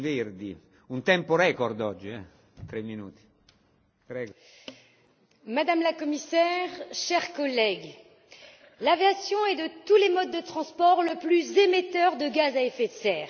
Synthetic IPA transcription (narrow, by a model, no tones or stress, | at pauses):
verd̪i | unt̪ɛmpoɾɛkɔrd̪ɔd͡ʒːiɛ | t̪ɾɛmːinuːt̪i̥ | pɾɛːɡ | mad̪amlakɔmisɛʁʃɛʁkɔlɛɡ | laveasjɔ̃ɛd̪ət̪ulemɔd̪ːət̪χɑ̃spɔʁləplyzemet̪œʁd̪əɡazaefet̪sɛːʁ